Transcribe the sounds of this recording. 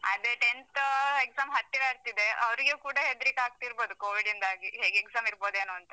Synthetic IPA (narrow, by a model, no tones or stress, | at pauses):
ɐd̪eʈent̪eksaːmɦɐt̪ːilaɐɾt̪id̪e̞ʔɐʋɾiɡekuːɽɐɦed̪ɾikaːɡ̚t̪iɾbo̞ːd̪ukoːʋiɖind̪aːɡiɦeːɡeksaːmiɾbo̞ːd̪eːnuːɐnt̪ɐ